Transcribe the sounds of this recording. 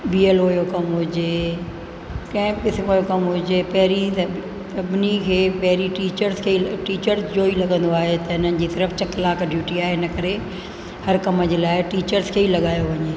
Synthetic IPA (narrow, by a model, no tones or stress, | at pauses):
biːeloːjokɐmɦʊd͡ʑe | kɐ̃ɦɪ̃pɪsmoːjokɐmɦʊd͡ʑepɐɦɪɾisɐ | sɐbʱɪnikʰeːpɐɦɪɾiʈiːt͡ɕəɾzkʰeiʈiːt͡ɕəɾzd͡ʑoːilɐɠə̃nd̪oaːɦet̪ɐɦɪnənɪ̆d͡ʑiːsɪɾəft͡ɕɐklaːkɖjuːʈiaːɦeɦɪnə̆kɐɾe | hɐɾkɐməd͡ʑeːlaːɪʈiːt͡ɕəɾzkʰeːilɐɠaːjoʋɐɲeː